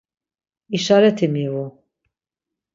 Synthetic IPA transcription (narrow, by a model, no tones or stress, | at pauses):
iʃaɾɛt̪ʰimivu